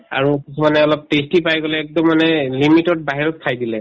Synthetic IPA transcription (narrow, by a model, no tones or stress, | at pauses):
a̰ɹukisʰumanɛɔlɔp̚testipajɡɔlɛːk̚dɔmːanɛlimitɔt̚baɦiɹɔt̚kʰajdilɛ